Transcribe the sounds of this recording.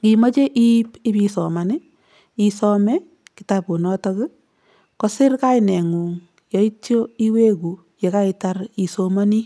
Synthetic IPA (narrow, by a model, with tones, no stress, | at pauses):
ki˨mɔ˦t͡ʃe˦ʔi˦pɪ˦bi˨sɔ˨ma˨nɪ˦ | i˨sɔ˦mɛ˦ | kɪ˨ta˨po˨nɔ˦tɔ˦kɪ˦ | kɔ˦sɪ˦ɾka˦inɛ˨ŋu˨ŋ | jɔ˦i˦tjo˦i˦we˦ku˨ | je˨ka˦i˨ta˦ɾi˨soma˦ni˦